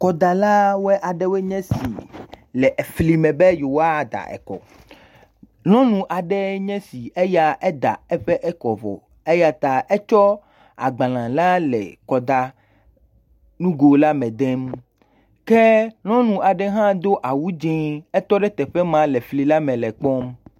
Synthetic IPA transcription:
kɔ˨d̪a˨la˦wɛ˦ʔa˨ɖe˦we˦ɲɛ̃˦si˨ | lɛ˨ʔe˨fli˨mɛ̃˨be˦jo˨wa˦˨d̪a̰˨ʔɛ̰˨kɔ̰˨ | nɔ̃˦nũ˨ʔa˨ɖɛ˦ɲɛ̃˦si˨e˦ja˦ʔɛ˦d̪a̰˨ɛ˦ɸɛ˦ʔɛ˦kɔ˨vɔ̰˨ | e˦ja˦t̪a˨ʔɛ˦t͡ʃɔ˦ | a̰˨ɡ͡bã˨lã˨la˦lɛ̰˨kɔ˨d̪a˦ | nũ˦ɡo˨la˦mɛ̃˨d̪e˦m | ke˦nɔ̃˦nũ˨a˨ɖɛ˦ɦã˦d̪o˦ʔa˨wu˦d͡ʒɛ̃˦ɛ˦t̪ɔ˦ɖɛ˦t̪ɛ˨ɸɛ˦mã˦lɛ˨fli˨la˦mɛ̃˨lɛ˨k͡pɔ˦m

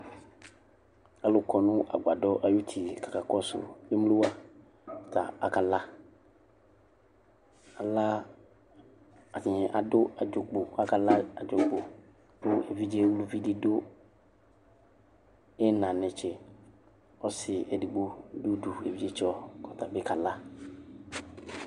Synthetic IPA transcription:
a˨lʊ˨kʰɔ˨nʊ̃˦ʔa̰˨ɡ͡ba˨dɔ˦ʔa˨ju˦t̪ʰi˨kḁ˨ka˨kɔ˦sʊ̰˨e˦m˦lu˦wa˦˨ | t̪ʰa̰˨a̰˨ka˨la˦ | a˨la˦ | a˨tɪ˨ɲɛ˨ʔa˨dʊ˦a˨d͡ʒʊ˨ɡ͡bo˨a˨ka˨la˦a˨d͡ʒʊ˨ɡ͡bo˨ | dʊ˦e˨vi˦d͡ʒe˦wu˦lu˦vi˦dɪ˦do˦ | ɛ˦nã˨nɛ̃˨t͡ʃʰɛ˨ | ɔ˦sɪ˨ɛ˨di˨ɡ͡bo˦du˦du˨ḛ˨vi˦d͡ʒe˦t͡ʃɔ˦kɔ˨t̪ʰa˨bɪ˦ka˨la˦

